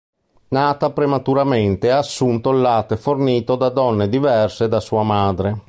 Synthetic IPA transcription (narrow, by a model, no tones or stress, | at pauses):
naːt̪apɾemat̪uɾament̪eaːsːunt̪olːaːt̪eforniːt̪od̪ad̪ɔnːed̪ivɛrsed̪asuːamaːd̪ɾe